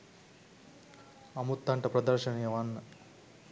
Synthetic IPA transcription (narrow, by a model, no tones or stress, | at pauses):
ɐmut̪ːɐɳʈɐpɾɐd̪ɐɾʃɐnijɐʋɐnːɐ